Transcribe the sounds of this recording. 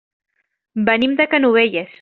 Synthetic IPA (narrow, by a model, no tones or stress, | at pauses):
bənimd̪əkənuβeʎes